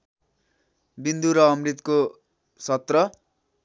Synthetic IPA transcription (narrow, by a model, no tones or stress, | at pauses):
bind̪uɾʌːmrit̪ko | sʌt̪rʌ